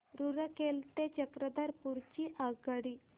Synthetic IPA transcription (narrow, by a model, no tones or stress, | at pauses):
ɾuɾəkelt̪et͡ɕəkɾəd̪aɾpuɾt͡ɕiʔaɡaɽi